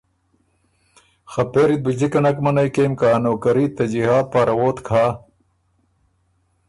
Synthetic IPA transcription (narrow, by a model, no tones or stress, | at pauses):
xɐpeːɾit̪̚bid͡ʑikɐnɐkmɐnɐjkeːmkanoːkɐɾiːt̪ɐd͡ʑihaːt̪̚paːɾɐwoːt̪kʰaː